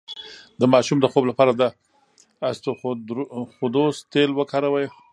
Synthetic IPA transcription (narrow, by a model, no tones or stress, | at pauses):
d̪əmɑʃumd̪əxoblapɑɾad̪a | ast̪o | xod̪ost̪elwəkɑɾawəj